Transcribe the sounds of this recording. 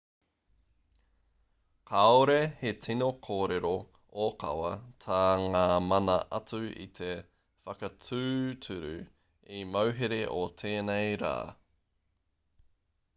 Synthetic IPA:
kʰaoɾehet͡sinokʰoːɾeɾo | okʰɐ̰wɐtʰaːŋaːmɐnɐʔɐt͡sʉḭt̪ʰe | fɐkɐt͡sʰʉːtʰʉɾʉ̰ | imɐwɦeɾe̞ʔotʰeːnejɾa̰ː

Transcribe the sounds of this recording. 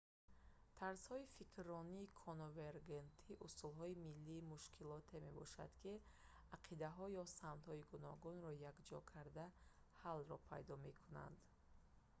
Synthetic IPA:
t̪ʰaɾshɔifikʰɾɔniːkʰɔnoveɾɡent̪ʰiʔusulɦɔimilːiːmuʃkʰilɔt̪ʰeme̞bɔʃa̰d̪̥kʰi | aqʰid̪aɦɔjɔsamt̪hɔiɡunɔ̰ɡunɾɔjakd͡ʒɔkʰaɾd̪a | halɾɔpʰa̰jd̪ɔme̞kʰuna̰nd̪

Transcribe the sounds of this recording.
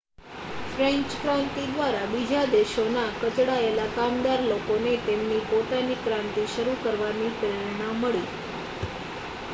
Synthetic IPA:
fɾeɲt͡ʃkɾãnt̪id̪ʋaɾabid͡ʒʱad̪eʃonakət͡ʃɽaelakamd̪aɾlokonet̪emnipot̪anipɾãnt̪iʃəɾukəɾʋanipɾiɭnaməɭi

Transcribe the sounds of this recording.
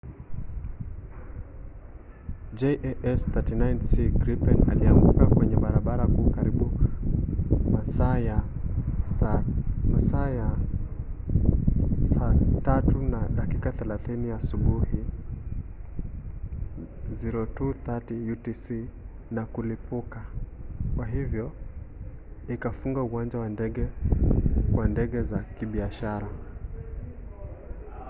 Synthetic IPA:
d͡ʒɛʔʔɛsθatinajnsiɡɾipɛna̰liaŋɡukakwɛɲɛɓaɾaɓaɾakuːkaɾiɓu | masaja | samasaja | satatunaɗakikaθɛlaθiniasuɓuhi | ziɾɔtuθatijutisi | nakulipukakwaɦivjɔ | ikafuŋɡauwand͡ʒawandɛɠɛ | kwandɛɠɛzakiɓiaʃaɾa

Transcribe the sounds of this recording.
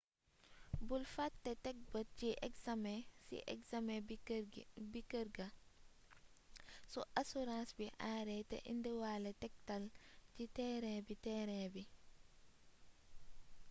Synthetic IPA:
bulfatːɛtɛk̚bət̚ciʔɛksamɛsḭʔɛ̰ksamɛ | bikəɾɡɐ | sɔʔasuɾãːnsbiʔaːɾɛtɛ̰ʔḭndiwaːlɛtɛk̚tɐlcitɛɾɛbitɛːɾɛːbi

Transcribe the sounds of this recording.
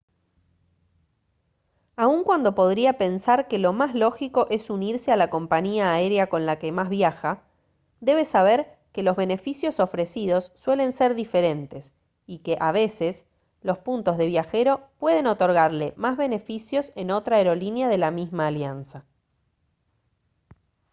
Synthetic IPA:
auŋkwand̪o̞po̞ð̞ɾiape̞nsaɾke̞lo̞mazlo̞xiko̞ʔe̞suniɾsealako̞mpaɲiaːeɾeako̞nlakemazβjaxa | d̪e̞βe̞saβ̞eɾ | ke̞lo̞zβe̞ne̞fisjo̞so̞fɾe̞siðo̞sːwe̞le̞nseɾðife̞ɾe̞nt̪e̞s | ikeʔaβ̞e̞ses | lo̞spunt̪o̞zðe̞βjaxe̞ɾo̞pwe̞ð̞e̞no̞t̪o̞ɾɣaɾlemazβe̞ne̞fisjo̞se̞no̞t̪ɾaeɾo̞linjaðe̞lamizmaːljansa

